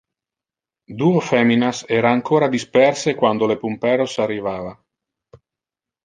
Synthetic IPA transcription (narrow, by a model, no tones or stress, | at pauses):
d̪uːofɛminasɛːɾaːŋkoːɾad̪ispɛrsekwand̪olepumpɛːɾosarːivaːva